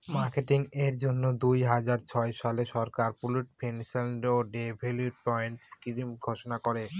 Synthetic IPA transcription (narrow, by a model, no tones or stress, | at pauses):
maɾkeʈiŋeɾd͡ʑonːod̪ujɦad͡ʑaɾt͡ɕʰɔeʃaleʃɔɾkaɾpuluʈ̚pʰenselɖoɖebʱeljuʈ̚pɔjɳʈkimɡʱoʃonakoɾe